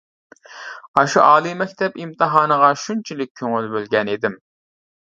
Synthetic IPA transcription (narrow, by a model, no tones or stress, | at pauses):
ɑʃṵʔɑːlˠɨmɛkʲt̪ʰɛpimt̪ʰɨɦɑːnəʁɑʃunt͡ʃʰilɪk̚ʲʰːøŋylbølɡʲɛned̪ɪm